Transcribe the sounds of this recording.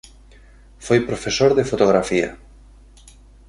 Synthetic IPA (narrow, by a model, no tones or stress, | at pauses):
fojpɾofesoɾðefot̪oɣɾafia̰